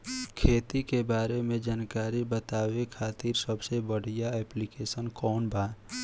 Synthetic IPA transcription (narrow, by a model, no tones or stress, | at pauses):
kʰeːt̪ikebaːɾemẽd͡ʒaːnkaːɾibət̪aːwekʰaːt̪iːɾsəbsebəɽ̤ijaɛːplikeːsənkɔːnbʱaː